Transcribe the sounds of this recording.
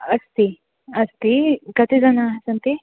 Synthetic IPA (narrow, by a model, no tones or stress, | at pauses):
ɐst̪i | ɐst̪ikɐt̪id͡zɐnasɐnt̪i